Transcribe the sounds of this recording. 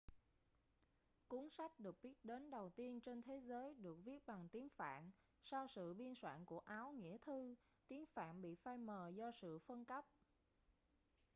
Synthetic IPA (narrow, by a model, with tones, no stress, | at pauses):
ku˨˦nsa˦˥k̟̚ɗɨ˨˩ək̚ɓi˦˥ət̚ɗe˨˦nɗə˨˩wt̪i˧ənt͡ɕe˧nt̪ʰe˨˦zəː˨˦jɗɨ˨˩ək̚vi˦˥ət̚ɓa˨˩ŋt̪i˨˦ənfa̰ː˧˨n | sa˧wsɨ̰˧˨ɓi˧ənswa̰ː˧˨nku˧˩əʔaː˨˦wŋḭ˧˥ət̪ʰɨ˧ | t̪i˨˦ənfa̰ː˧˨mɓḭ˧˨faː˧jməː˨˩zɔ˧sɨ̰˧˨fə˧nkə˦˥p̚